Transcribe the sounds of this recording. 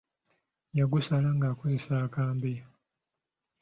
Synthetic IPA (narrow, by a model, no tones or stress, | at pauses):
jaɡusalaŋɡaːkozesaːkaːmbe